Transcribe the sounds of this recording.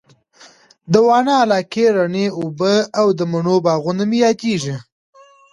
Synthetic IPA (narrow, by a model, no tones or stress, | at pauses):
d̪əwɑnɑːlɑkeɾaɳeubəawd̪əmʊɳobɑɣʊnamejɑd̪eʐi